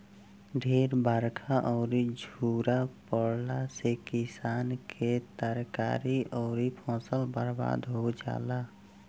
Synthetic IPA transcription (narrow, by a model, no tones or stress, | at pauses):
ɖʱeːɾbaɾkʰaʔɔːɾid͡ʒʱuːɾapəɽlasekɪsaːnkʰet̪əɾka̰ːɾiɔːɾipʰɔ̃ːsəlbəɾba̰ːd̪ɦod͡ʒa̰ːla